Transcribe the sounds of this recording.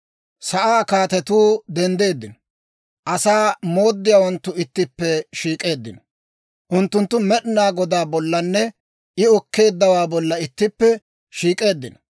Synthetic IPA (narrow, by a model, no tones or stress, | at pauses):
sɐʔaːkaːt̪ɛt̪uːd̪ɛnd̪e̞ːd̪ːɪnɔ | ʔɐsaːmo̞ːd̪ːɪjaːwɔnt̪ːʊɪt̪ːɪpːɛʃiːkʼe̞ːd̪ːɪnɔ | ʔʊnt̪ːʊnt̪ːʊmɛɗnaːɡɔd̪aːbɔlːɐnːɛ | ʔɪɔkːe̞ːd̪ːɐwaːbɔlːɐɪt̪ːɪpːɛ | ʃiːkʼe̞ːd̪ːɪnɔ